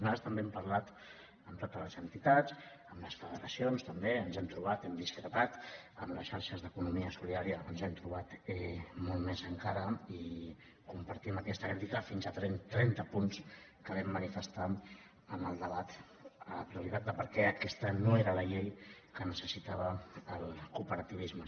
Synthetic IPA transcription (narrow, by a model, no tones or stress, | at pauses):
nast̪əmbeɛmpəɾlat̪ | əmt̪ot̪ələzənt̪it̪ad͡z | əmləsfəðəɾəsionst̪əmbeənzɛmt̪ɾuβ̞at̪ɛmd̪iskɾət̪at̪əmləsʃaɾʃəzðəkunumiəsuliðaɾiəənzɛmt̪ɾuβ̞at̪ɛmolˠmezəŋkaɾəi | kumpəɾt̪iməkɛst̪əkɾit̪ikəfinzət̪ɾɛnt̪ɾɛnt̪əpunskəβɛmːənifəst̪a | ənəlˠd̪əβat̪ | ələpɾiuɾit̪at̪̚d̪əpəɾkɛəkɛst̪ənoeɾələʎejkənəsəsit̪aβ̞əːlˠkupəɾət̪iβizmə